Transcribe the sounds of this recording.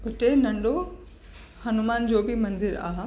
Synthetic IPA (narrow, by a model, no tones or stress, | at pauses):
ʊʈenɐ̃ɳɖo | hɐnumaːnd͡ʑoːbɪmɐ̃nd̪ɪɾaːɦ